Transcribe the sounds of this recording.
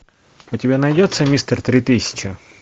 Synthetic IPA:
ɔtʲibʲɛnɐjdʲɛt̪sɛmʲist̪ert̪ɾɪt̪ɪsʲɐ̥t͡ʃɐ

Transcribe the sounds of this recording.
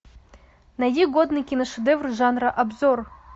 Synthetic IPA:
najiɡod̪nɨkʲinoʃed̪evrʐɑnraʔabzor

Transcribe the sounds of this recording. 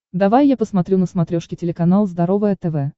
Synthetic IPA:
d̪ɐvajːapəsmɐt̪ɾʲunəsmɐt̪ɾʲoʂkʲɪtʲɪlʲɪkɐnalˠzd̪ɐɾo̞vəjət̪ɛvɛ

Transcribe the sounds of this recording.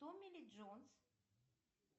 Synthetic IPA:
omilid͡ʒɔns

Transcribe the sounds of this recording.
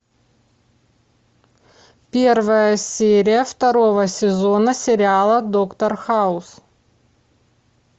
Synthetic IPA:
pʲe̞rvəjəsʲeɾʲɪjəft̪ɐɾo̞vəsʲɪzo̞nəsʲɪɾʲɪalˠəd̪okt̪ərxaʊs

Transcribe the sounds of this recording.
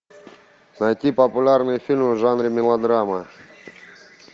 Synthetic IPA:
nɐjtʲipɐpʊlʲarnɨjəfʲilʲmvʐanɾʲɪmʲɪlˠɐd̪ɾamə

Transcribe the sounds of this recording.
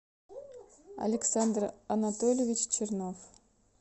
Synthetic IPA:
ɐ̰lʲɪksand̪rɐnat̪olʲevʲit͡ɕt͡ɕʰɨrnof

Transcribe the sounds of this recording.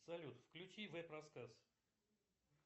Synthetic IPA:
sɐlʲut̪fklʲʉt͡ɕivɛpɾɐskas

